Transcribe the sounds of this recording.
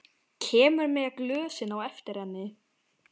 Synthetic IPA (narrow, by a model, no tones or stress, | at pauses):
cʰɛːmʏɾmɛɣaklœːsɪnawɛft̪ɪɾ̥hɛnːɪ